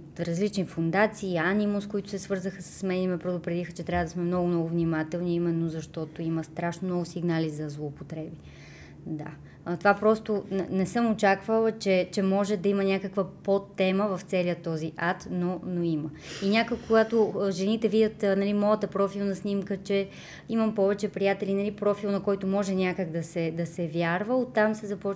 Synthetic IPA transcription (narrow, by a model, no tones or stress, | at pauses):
t̪ɾɐzlit͡ʃnifond̪at̪siːanimʊskoit̪ʊ̥sɛsvɤɾzəxəsə̥smɛnimɛpɾɛd̪ʊpɾɛd̪ixət͡ʃɛt̪ɾʲavəd̪ɐsmɛmnɔɡʊnɔɡʊvnimat̪ɛlˠniimɛnːozɐʃt̪ɔt̪oimɐst̪ɾaʃnonɔɡʊsiɡnalizɐzlˠoːpot̪ɾɛbi | d̪a̰ | t̪ovapɾɔst̪onɛsɤmot͡ʃakvəlˠət͡ʃɛt͡ʃɛmɔʒɛd̪ɐimənʲakəkvəppot̪ːɛməvɐft̪sɛliət̪ɔziʔat̪nonoimə | inʲakojkːoɡat̪oʒɛnit̪ɛvid̪ʲət̪nɐlimɔjət̪əpɾɔfilˠnɐsnʲimkət͡ʃɛ | imɐmpɔvɛt͡ʃɛpɾijat̪ɛlinɐlipɾɔfilˠnɐkɔjt̪omɔʒɛnʲakəɡd̪ɐsɛd̪ɐsɛvʲjaɾvəot̪amsɛzɐpɔ